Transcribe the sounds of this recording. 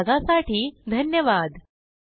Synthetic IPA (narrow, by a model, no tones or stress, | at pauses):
ɡasaʈiːd̪ʱənjəʋad̪